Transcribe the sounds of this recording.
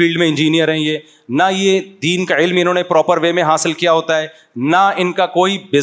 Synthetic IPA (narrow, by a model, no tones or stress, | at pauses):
iːlɖmẽɪ̃nd͡ʒiːnijəɾɦɛ̃jeː | najed̪iːnkaɪlmɪnɦõːnepɾɔːpəɾʋeːmẽɦaːsɪlkijaɦoːt̪aɦɛː | naɪnkakoːibɪ